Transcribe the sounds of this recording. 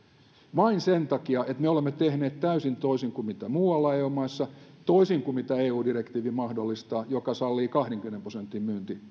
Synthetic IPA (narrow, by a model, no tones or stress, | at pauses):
mɑinsent̪ɑkiɑʔet̪meolemːet̪ehneːt̪t̪æysint̪oisiŋkumit̪æmuːɑlːɑeːuːmɑisːɑt̪oisiŋkumit̪æeːuːdirekt̪iːʋimɑhdolːist̪ɑːjokɑsɑlːiːkɑhɾeŋkymĕnemprosent̪ːimmyːnt̪i